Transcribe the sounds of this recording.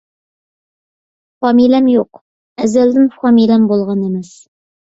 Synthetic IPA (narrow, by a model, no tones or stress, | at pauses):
fɑmilæmjoq | æzæld̪ɪnfɑmilæmbolˠʁɑnemɛs